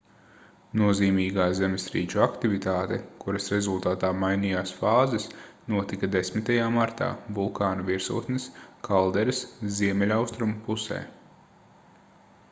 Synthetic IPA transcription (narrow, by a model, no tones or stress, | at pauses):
nuɔziːmiːɡaːzemɪsɾḭːt͡ʃuakt̪ivit̪aːt̪ɛkuɾɐsɾezulˠt̪aːt̪aːmajnijaːsfaːzɛsnuɔt̪ikɐd̪esmɪt̪ajaːmaɾt̪a̰ːvulˠkaːnɐviɾsṵːt̪nɪskʰalˠd̪ɛɾɪsziɛmɛlʲawst̪ɾumpusɛ̰ː